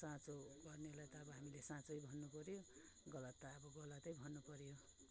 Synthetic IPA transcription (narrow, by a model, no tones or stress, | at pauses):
sãt͡soɡʌrneɦolajt̪ʌːbʌɦamilesãt͡sʌjbʱʌnːupʌɾjo | ɡʌlʌt̪ːaːbʌɡʌlʌt̪ʌjbʱʌnːupʌɾjo